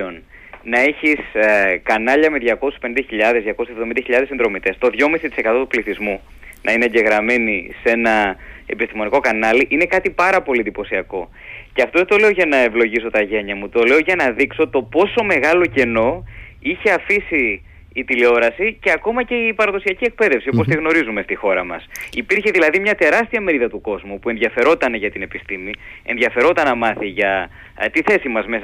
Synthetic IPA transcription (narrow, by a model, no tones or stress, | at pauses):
on | nɐe̞çiskɐnɐʎɐmeðʝɐko̞si̥spenĩnd̪ɐçiʎɐðezðʝɐkosevðo̞mind̪ɐçiʎɐðesind̪ɾo̞mit̪e̞st̪o̞ðʝo̞misit̪i̥se̞kɐt̪o̞t̪upliθizmu | nʔɐineːɲɟe̞ɣɾɐme̞nise̞nɐe̞̰pist̪imo̞niko̞kɐnɐliʔine̞kɐt̪ipɐɾɐpo̞liend̪ipo̞siɐko̞ | ceɐft̪oðet̪o̞le̞oʝɐnɐevlo̞ʝiso̞t̪ɐʝe̞ɲɐmut̪o̞le̞oʝɐnɐðikso̞t̪o̞po̞so̞me̞ɣɐlo̞ce̞no̞ | içe̞ɐfisiː | t̪ilio̞ɾɐsice̞ɐko̞mɐce̞ipɐɾɐðo̞siɐcie̞k̚pe̞ðe̞fsiopost̪iɣno̞ɾizume̞st̪ixo̞ɾɐmɐ̰sipiɾçe̞ðilɐðimɲɐt̪e̞ɾɐst̪iɐme̞ɾiðɐt̪uko̞zmupuenðʝɐfe̞ɾo̞t̪ɐneʝɐt̪ine̞pist̪imie̞nðʝɐfe̞ɾo̞t̪ɐnːɐmɐθiʝɐ | t̪iθe̞simɐzme̞s